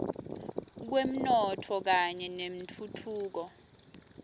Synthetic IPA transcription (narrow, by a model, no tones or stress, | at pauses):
k̬wem̩nɔtʰɔk̬aɲɛnem̩tʰutʰuːk̬ɔ